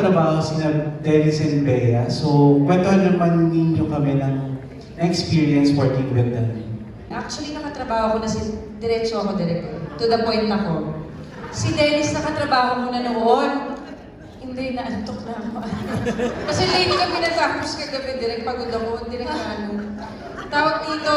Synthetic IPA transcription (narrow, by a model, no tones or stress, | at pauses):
t̪ɾɐbaːhosɪlad̪ɛnɪsɛnbɛjɐsokwɛnt̪ohɐnlɐnmɐnminɲokɐmɛnɐŋ | ɐŋɛkspiːɹiɐnspɔɹt̪ɪnɐɡɐnd̪ɐn | ʔak̚t͡ʃʊwɐlinɐkɐt̪ɾɐbaːhokonɐsɪ | d̪ɛɾɛt͡ʃoʔɐkod̪ɛɾɛk̚ɐt̪ʊd̪ɐpojnt̪ɐko̞ | sid̪ɛnɪsnɐkɐt̪ɾɐbaːhomonɐnoʔon | hɪnd̪ɛnɐʔɐnt̪ok̚nɐɐkoʔɐnkɐsɛlɐjnkɐmɛnɐt̪aːposkɐɡɐbɛd̪ɛɾɛk̚pɐɡod̪ɐkoʔnd̪ɪɾɛk̚nɐɐno | t̪aːwɐɡ̚d̪iːt̪o